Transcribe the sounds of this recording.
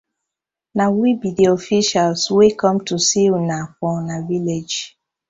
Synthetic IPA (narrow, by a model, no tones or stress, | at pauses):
nawibidiɔfiʃalswekɔmtusilnak̚ɔnaviled͡ʒ